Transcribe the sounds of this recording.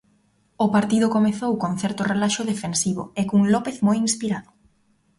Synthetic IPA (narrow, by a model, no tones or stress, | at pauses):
ʊpaɾt̪iðʊkomeθowkoŋθɛɾt̪ʊrelaʃʊðefensiβʊ̰ekuŋlɔpeθmojinspiɾaðʊ